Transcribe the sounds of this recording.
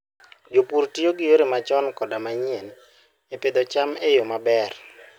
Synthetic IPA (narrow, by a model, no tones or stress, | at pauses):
d͡ʒopuɾtioɡɪjoɾemat͡ʃɔnkɔdamaɲen | eped̪ɔt͡ʃamejomabɛr